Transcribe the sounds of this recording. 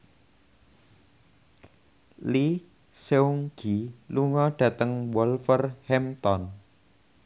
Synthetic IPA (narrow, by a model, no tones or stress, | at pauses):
li | seuŋɡ̥iluŋɔɖ̥ä̤t̪əŋwɔlfərhɛmt̪ɔn